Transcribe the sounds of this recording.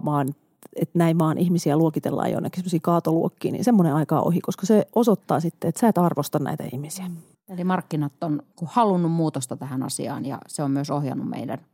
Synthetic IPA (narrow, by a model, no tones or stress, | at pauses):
ʋɑːn | et̪næiʋɑːnʔihmisiæluokit̪ḛlːɑ̰ːjo̰nːekːisemːosiːkɑːt̪oluokːḭːnḭnsemːoneɑikɑ̰ʔo̰hikoskɑseʔosot̪ːɑːsit̪ːeet̪sæːt̪ɑrʋost̪ɑnnæ̰it̪æ̰ihmisiæ | elimɑrkːinɑt̪ːonkuhɑlunːummuːt̪ost̪ɑt̪æhænɑ̰sḭɑ̰ːnjɑ̰seommyøsohjɑ̰nːummḛidæ̰n